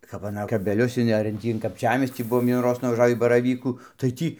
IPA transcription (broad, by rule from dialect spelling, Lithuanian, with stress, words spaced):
kɐp ɐˈnɐ kɐbʲɛˈlʲʊs ɪn ɐr ɪn ˈtʲiː ɪn kɐpʲˈt͡ʃʲæːmʲiɛsʲtʲiː ˈbʊʋoːm ʋʲiɛnuːˈroːs nʊʋɐˈʒɑːʋʲiː bɐrɐˈʋʲiːkuː tɐɪ ˈtʲiː